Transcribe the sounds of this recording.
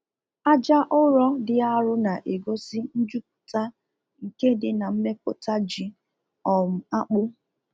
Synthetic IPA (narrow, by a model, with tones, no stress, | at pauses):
a˦d͡ʒa˦ʔʊ˦ɾɔ˦dɪ˦a˦ɾʊ˦na˨ʔe˨ɡo˦sɪ˦n̩˦d͡ʒu˦p̚ʊ̥˨ta˦ | ŋ̩˨ke˦dɪ˨na˨m̩˦me˦p̚ʊ̰˨ta˦d͡ʒi˨ | ɔ˨m̩˨a˦k͡pʊ˦